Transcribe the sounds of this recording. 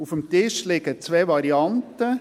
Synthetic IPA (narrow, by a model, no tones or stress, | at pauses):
ufəmt̪ɪʃlɪɡət͡sʋɛːʋɑɾiɑntə